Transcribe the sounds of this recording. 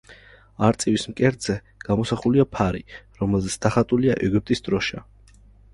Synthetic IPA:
aɾt̪sʼiwismkʼɛɾd̪z̥ɛ | ɡ̥amɔsaχuliapʰaɾiɾɔmɛlˠzɛt̪sʰd̪ʰaχat̪ʼuliaʔɛɡyp̚t̪ʼisd̪̥ɾɔʃa

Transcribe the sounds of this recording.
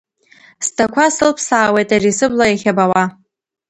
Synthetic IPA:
stʰakʷʰasɨlpʰsaːwe̞jtʼarisɨblajaχʲabawa

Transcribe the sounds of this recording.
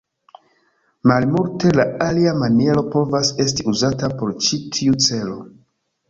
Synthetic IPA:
malmulte̞laaliamanie̞ɾo̞po̞vase̞stiuzatapo̞ɾt͡ʃitʰiut͡se̞lo̞

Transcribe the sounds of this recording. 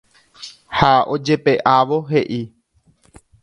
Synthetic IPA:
haod͡ʒe̞pe̞ʔaʋo̞ɦe̞ʔi

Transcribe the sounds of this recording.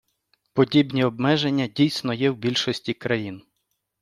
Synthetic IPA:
pɔdʲibnʲiɔbmɛʒenʲːɐdʲijsʲnɔjɛwbʲilʲʃɔsʲtʲikɾɐjin

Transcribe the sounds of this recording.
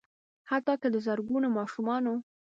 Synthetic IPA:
hat̪ɑkəd̪əzəɾɡunomɑʃumɑno

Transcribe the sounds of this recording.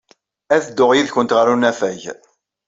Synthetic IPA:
æθəd̪ːʊʁjiðçʊnt̪ʁəɾunæfæʝ

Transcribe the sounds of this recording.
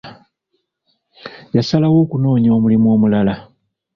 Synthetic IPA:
jasalawo̞ːkuno̞ːɲo̞ːmulimuo̞ːmulala

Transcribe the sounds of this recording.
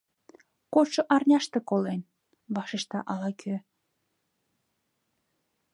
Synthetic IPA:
koʃoʔɑrnʲɑʃt̪ekolen | βɑʃeʃt̪ɑʔɑlɑkʰø

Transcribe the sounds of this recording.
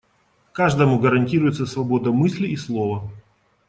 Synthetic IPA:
kaʐd̪əmʊɡəɾɐnʲtʲiɾʊjɪt̪səsvɐbo̞d̪əmɨsʲlʲɪːslˠo̞və

